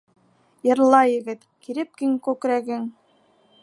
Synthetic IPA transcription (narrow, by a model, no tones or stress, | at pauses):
jɤ̆ɾlˠɑjɘ̆ɡɘt̪kiɾɘp̚kiŋkʉkɾæɡɘŋ